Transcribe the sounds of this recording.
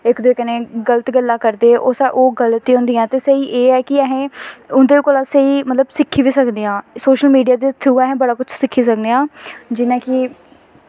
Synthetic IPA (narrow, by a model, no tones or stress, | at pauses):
ɪkd̪oeːkəneːɡələt̪ɡəlːãːkəɾd̪eːʔoːsɛʔoːɡələt̪ːiːɦʊ̃ːnd̪iːãːt̪eːsəiːʔeːɛːkɪɛɦẽːʊnd̪eːkoːlãːseiːmət̪ləbsɪkʰːiːʋiːsəkd̪eːãːsoːʃəlmiːɖijaːd̪eːt̪ʰuːɛɦẽːbəɽaːkʊt͡ʃʰsɪkʰːiːsəkneːãːd͡ʒɪnãːkɪ